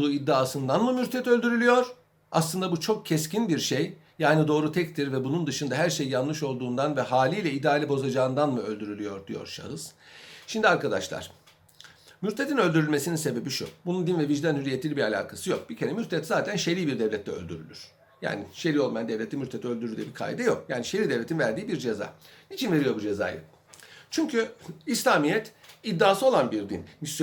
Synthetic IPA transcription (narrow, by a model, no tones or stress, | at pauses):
uːid̪ːaːsɯnd̪anmɯmyɾt̪ʰɛt̪ølʲd̪yɾylʲyjo̞ɾ̥ | a̰slˠɯnd̪abut͡ʃʰo̞k̚cʰɛscinbiɾʃejː | aːnid̪o̞ːɾut̪ʰɛct̪ʰiɾvɛbunund̪ɯʃɯnd̪aɦæɾʃejːanlˠɯʃo̞lˠd̪uːnd̪anvɛɦaːlʲiːlʲɛid̪aːlʲibo̞zad͡ʒaːɯnd̪anmɯølʲd̪yɾylʲyjoɾd̪ijo̞̰ɾʃa̰ɦɯz̥ʃimd̪iaɾkad̪aʃlˠa̰ɾ̥ | myɾt̪ʰet̪ʰinø̞lʲd̪yɾylʲme̞sininse̞be̞biʃṵbunund̪invɛviʒd̪ænhyzijet̪ʰilʲibiɾalʲa̰ːkʰasɯjo̞k̚b̥icʰʲe̞ɾɛmyɾt̪ʰɛt̪zaːt̪ʰænʃe̞ɾiːbiɾd̪ɛvlʲɛt̪lːɛø̰lʲd̪yɾy̰lʲy̰ɾ̥ | ja̰ːniʃe̞ɾiːolˠmjand̪evlʲet̪ːimyɾt̪ʰet̪iø̞ld̪yɾyɾd̪yːbikʰa̰jd̪ɛjo̞kjaːniʃeɾiːd̪evlet̪ʰinvæɾd̪iːbiɾd͡ʒe̞za̰ːnit͡ʃʰinve̞ɾijo̞ɾbud͡ʒe̞za̰ːjɯ̰ | t͡ʃʰyɲcʰyislʲaːmijɛt̪id̪ːaːsɯo̞lˠanbiɾd̪ḭnmis